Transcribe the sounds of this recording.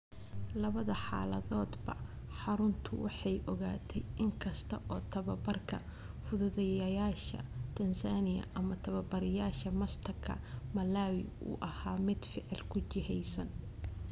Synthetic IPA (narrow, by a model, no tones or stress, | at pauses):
lɐβɐðɐħɑ̰ːlɐ̰ðɔːd̪bɐ | ħɑɾʊnt̪ʰʊwɑ̰ħɑjʔɔɣaːt̪ʰɛjʔɪŋkʰɐst̪ʰɐʔɔːt̪ʰɐβɐbɐrkʰɐ | fʊðʊðɛjɐjaːʃɐ̰t̪ʰɐnsanɪjɐ̰ʔɐmɐt̪ʰɐβɐbɐɾɪjaːʃɐmɐst̪ʰɐrkʰɐ̰mɐlaːwɪ̰ṵːʔɐhaːmɪd̪fɪʕɪlkʰʊt͡ʃɪɦɛjsɐn